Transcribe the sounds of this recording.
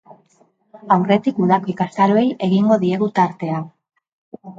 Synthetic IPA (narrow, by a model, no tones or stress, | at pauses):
awre̞t̪ikuðakoikast̪aɾoejʔe̞ɣiŋɡo̞ðie̞ɣut̪aɾt̪e̞a